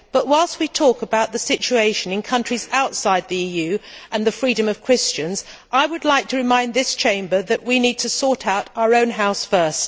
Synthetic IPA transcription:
b̥ʌʔ̚waɪlˠst̚witʰɔkəbaʊt̪̚ðɨsɪt͡ʃueɪʃɨ̃nɨ̃nkʰʌ̃nt͡ʃɹ̥izaʊtsaɪd̪̚ðiijʉʔɨ̃nðɨfɹiɾɨ̃mʌv̥kʰɹ̥ɪst͡ʃɨ̃nzʔaɪwɨdˡlaɪk̚tʰɨɹɨmãɪ̃nðɪst͡ʃʰẽɪ̃mbə˞ðɨʔwinid̚tʰɨsɔɹɾaʊɾaʊə˞õʊ̃nɦaʊsfɜ˞st̚

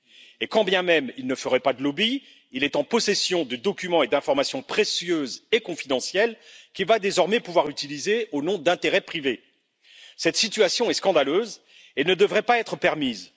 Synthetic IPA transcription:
ekɑ̃bjɛ̃mɛmilnəfəʁɛpad̪əlɔbiː | lɛt̪ɑ̃pɔsɛsjɔ̃d̪əd̪ɔkʲymɑ̃ed̪ɛ̃fɔʁmasjɔ̃pχesjøzekɔ̃fid̪ɑ̃sjɛlkʲivad̪ezɔʁmɛpuvwaʁyt̪ilizeonɔ̃d̪ɛ̃t̪eʁɛpχive | sɛt̪sit̪ɥasjɔ̃ɛskɑ̃d̪aløz | enəd̪əvʁɛpaɛt̪χəpɛʁmiz

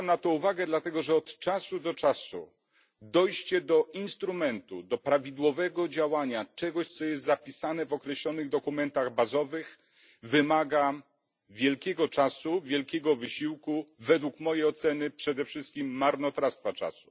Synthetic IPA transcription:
amnat̪ɔ̃uvaɡɛd̪lat̪ɛɡɔʐɛɔt̪t͡ʂasud̪ɔt͡ʂasṵ | d̪ɔjɕt͡ɕɛd̪ɔʔinst̪ɾumɛnt̪ṵd̪ɔpɾavʲid̪wɔvɛɡɔd͡ʑawaɲat͡ʂɛɡɔɕt̪sɔjɛst̪zapʲisanɛvɔkɾɛɕlɔnɘɣd̪ɔkumɛnt̪aɣbazɔvɘx | vɘmaɡa | vʲjɛlkʲɛɡɔt͡ʂasuvʲjɛlkʲɛɡɔvɘɕiwkuvɛd̪wukmɔjejɔt̪sɛnɘpʂɛd̪ɛfʂɘst̪̚kʲimːaɾnɔt̪ɾast̪fat͡ʂa̰su̥

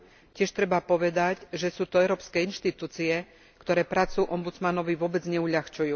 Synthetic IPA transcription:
cɪɛʃt̪ɾɛbapɔʋɛd̪aɟʒɛsuːt̪ɔɛʊɾɔːpskɛːinʃt̪it̪uːt͡siɛ | kt̪ɔɾɛːpɾat͡sujuʔɔmbud͡zmanɔʋiʋʊɔbɛd͡zɲɛuʎaxt͡ʃujuː

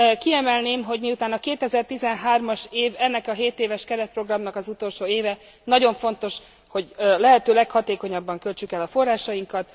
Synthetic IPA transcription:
kiɛmɛlneːmɦo̞ɟmiut̪aːnɒkeːt̪ɛzɛrt̪izɛnɦaːrmɒʃeːvɛnːɛkɒɦeːt̪eːvɛʃkɛɾɛt̪̚pro̞ɡrɒmnɒkɒzut̪o̞lʃoːeːvɛ | nɒɟo̞ɱfo̞nt̪o̞ʃ | ho̞ɟlɛɦɛt̪øːlɛkhɒt̪eːko̞ɲɒbːɒŋkø̞lt͡ʃykɛlɒfo̞rːaːʃɒjiŋkɒt̪

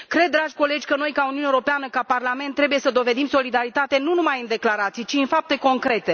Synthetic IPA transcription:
kɾe̞d̪̚ːɾaʒʲko̞le̞d͡ʒʲkəno̞jkauniunewoɾo̞peanəkaparlament̪ːɾe̞buje̞səd̪o̞ve̞d̪imso̞lid̪aɾit̪at̪e̞nunumajɨnd̪e̞klaɾat̪sijt͡ʃiɨnfap̚t̪e̞ko̞ŋkɾe̞t̪e̞

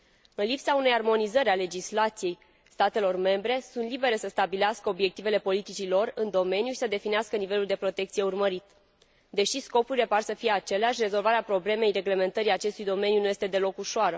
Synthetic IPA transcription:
ɨnlipsaune̞jarmo̞nizəɾʲale̞d͡ʒislat̪sije̞j | st̪at̪e̞lo̞rme̞mbɾe̞sunt̪libe̞ɾesəst̪abileaskəo̞bje̞k̚t̪ive̞le̞po̞lit̪it͡ʃilo̞rɨnd̪o̞me̞njuʃi̥səd̪e̞fineaskənive̞luld̪epɾo̞t̪e̞k̚t̪sije̞urməɾit̪ | d̪e̞ʃisko̞puɾile̞parsəfije̞at͡ʃe̞leaʃʲre̞zo̞lvaɾeapɾo̞ble̞me̞jre̞ɡle̞me̞nt̪əɾijat͡ʃe̞st̪ujd̪o̞me̞njunuje̞st̪e̞d̪e̞lo̞kuʃoaɾə

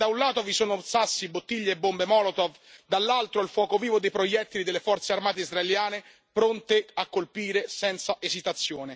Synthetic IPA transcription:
d̪aunlaːt̪ovisoːnosasːibot̪ːiʎːeːbːombemɔːlot̪ov | d̪alːalt̪ɾoilfwɔːkoviːvod̪ejpɾojɛt̪ːiid̪elːefɔrt̪searmaːt̪̬eizraeljaːne | pɾont̪eakːolpiːɾesɛnt̪saʔezit̪at̪sːjoːne

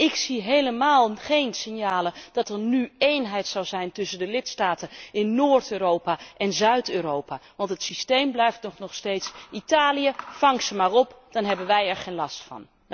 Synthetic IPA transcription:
ʔɪksiɦejləmaːlˠχejnsɪnjaːləd̥ɑtəɹnyejnɦɛjtsɑwzɛjntɵsəndəlɪtstaːtəɪnːoːɹtøːrowpaʔɛnzœɥtøːrowpaʋɑntɦətsistejmblɛjftnɔχnɔχstejtsʔitaːlijəfɑŋsəmaːrɔpd̥ɑnɦɛbənʋɛjɛɹχejnlɑstfɑ̰n

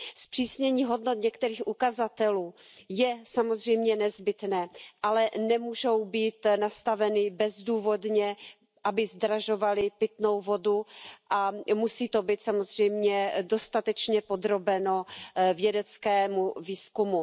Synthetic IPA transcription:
spr̝̥iːsɲɛɲiːɦo̞dnot̪ɲɛkt̪ɛɾiːxʔukazat̪ɛluːjɛsamozr̝ɛjmɲɛnɛzbɪt̪nɛːʔalɛnɛmuːʒo̞wbiːt̪nast̪avɛnɪbɛzduːvo̞dɲɛ | ʔabɪzd̪ɾaʒo̞valɪpɪt̪no̞wvo̞duʔamusiːt̪obiːt̪samozr̝ɛjmɲɛdo̞st̪at̪ɛt͡ʃɲɛpo̞d̪ɾo̞bɛno̞vjɛdɛt͡skɛːmuviːskumu

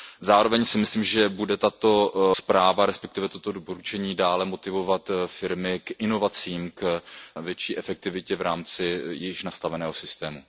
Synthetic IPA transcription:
zaːɾo̞vɛɲsɪmɪsliːmʒɛbudɛt̪at̪o̞spɾaːvaɾɛspɛk̚t̪ɪvɛt̪o̞t̪o̞dopo̞ɾut͡ʃɛɲiːdaːlɛmo̞t̪ɪvo̞vat̪fɪɾmɪkʔɪno̞vat͡siːmkvjɛt͡ʃiːʔɛfɛk̚t̪ɪvɪcɛvɾaːmt͡sɪjɪʃnast̪avɛnɛːɦo̞sɪst̪ɛːmṵ

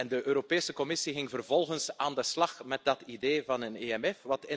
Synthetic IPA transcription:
ɛndəʔøːɾopeːsəkɔmɪsiɣɪŋvərvɔlˠɣənsaːndəslɑχmɛt̚dɑtideːvɑnəneɛmɛfʋɑtɪ

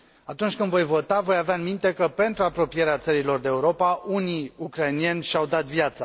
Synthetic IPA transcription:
at̪unt͡ʃʲkɨnd̪vo̞jvo̞t̪avo̞javeaɨnmint̪e̞kəpe̞nt̪ɾuapɾo̞pije̞ɾeat̪səɾilo̞rd̪eeːuɾo̞paʔuniukɾajnienʲʃawd̪at̪vjat̪sa

